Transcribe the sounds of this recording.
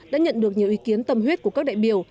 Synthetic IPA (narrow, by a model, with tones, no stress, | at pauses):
ɗa̰ː˧˥ɲə̰˧˨nɗɨ˨˩ək̚ɲi˨˩əwʔi˨˦ki˨˦ənt̪ə˨˩mɦwi˦˥t̚ku˧˩əka˦˥k̚ɗa̰ː˧˨jɓi˧˩əw